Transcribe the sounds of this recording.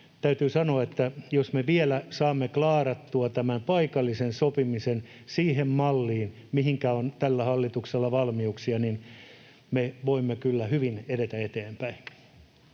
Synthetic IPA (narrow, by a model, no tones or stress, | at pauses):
t̪æyt̪yːsɑnoɑet̪ːæjosmeʋielæsɑːmːeklɑːrɑt̪ːuɑt̪æmæmpɑikɑlːisensopimisen | siːɦemmɑlːiːn | miɦiŋkæont̪ælːæhɑlːit̪ukselːɑʋɑlmiuksiɑnin | meʋoimːekylːæhyʋineɾet̪æet̪eːmpæin